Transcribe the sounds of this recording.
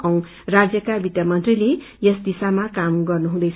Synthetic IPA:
ʌw̃ | rad͡zjʌkabit̪jʌmʌnt̪rile | jʌsd̪isamakamɡʌrnuɦũd̪ʌjʰ

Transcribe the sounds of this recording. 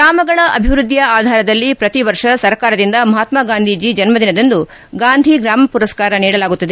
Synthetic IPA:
ɡɾaːmɐɡɐɭɐʔɐbʱiʋɾud̪ːjɐaːd̪ʱaːɾɐd̪ɐlːipɾɐt̪iʋɐɾʂɐsɐɾkaːɾɐd̪ind̪ɐmɐɦaːt̪maɡaːnd̪ʱid͡ʒid͡ʒɐnmɐd̪inɐd̪ɐnd̪u | ɡaːnd̪ʱiɡɾaːmɐpuɾɐskaːɾɐniːɽɐlaːɡut̪ːɐd̪e

